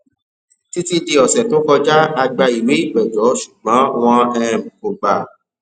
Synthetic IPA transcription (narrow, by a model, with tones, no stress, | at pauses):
ti˦ti˦di˧ɔ˨sɛ˨tõ˨˦kɔ˧d͡ʒa˦a˧ɡ͡ba˧i˨we˨˦i˦˨ɡ͡bɛ˨d͡ʒɔ˨˦ʃu˨ɡ͡bã˨˦w̃ɔ̃˧ɛ˧ɾ̃ɛ̃˨mũ˨ko˨ɡ͡ba˨